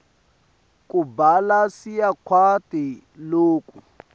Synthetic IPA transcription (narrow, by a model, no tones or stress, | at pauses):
k̬ʼubalasijakʰwatʼi | loːkʼu